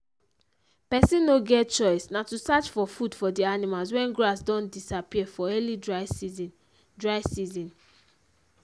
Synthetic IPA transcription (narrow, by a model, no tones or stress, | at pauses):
pɛsĩnoɡɛt̚t͡ʃɔɪsnatusat͡ʃfɔfudfɔdianimals̬wɛ̃nɡɹasdɔ̃ndisapiɛfɔɛlidɹaɪz | dɹaɪsizĩn